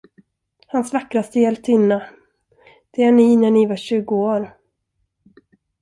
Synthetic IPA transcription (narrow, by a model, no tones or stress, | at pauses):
hansvakɾast̪əjɛlpt̪ɪnːa | d̪̥ɛæɳɪnæɳɪvaɕʉ̟ːɡʊoːɾ